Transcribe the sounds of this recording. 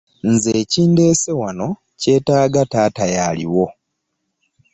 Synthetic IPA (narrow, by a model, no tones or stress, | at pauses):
nzeːciːnde̞ːsewano̞ | ce̞ːtaːɡataːtajalḭwo̞